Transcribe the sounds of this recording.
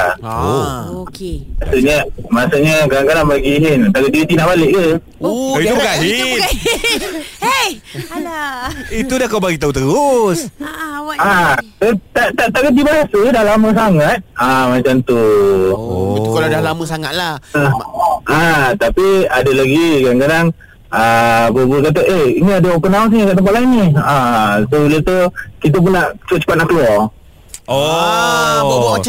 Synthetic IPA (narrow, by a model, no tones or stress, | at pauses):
kasuʔɲamasuʔɲəkaɾaŋkadaŋbaɡiɦint̪aɡəʔ̪dit̪inaʔbalɪʔ̚ə | ait̪ubəkaʔɦi | it̪udakawbaɡiʔt̪aut̪əɾʊs | at̪ət̪aʔt̪aʔt̪aɡədibaɦasədalaməs̬aŋat̪̚amat͡ʃamt̪u | kaladahlaməsaŋaʔ̪̚la | at̪apiadəlaɡikadaŋkadaŋ | əbəbulk̬at̪̬aʔeiniadəopənaus̬akaʔt̪̬əmpaʔlainːiasobilat̪ukit̪̬əp̬unaʔt͡ʃəpat̪̚t͡ʃə̥pat̪̚naʔkəluɔr | o